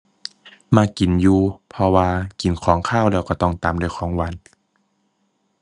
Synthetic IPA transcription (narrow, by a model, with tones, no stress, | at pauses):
maː˧ki˨˩njuː˧pʰɔ˧waː˧ki˨˩nkʰɔː˩˦ŋkʰaː˥˩˨wlɛː˧˩wkɔː˧˩t̪ɔ˧˩ŋt̪aː˨mdo˧˩˨jxʰɔː˨˩˦ŋwa˧˥˨n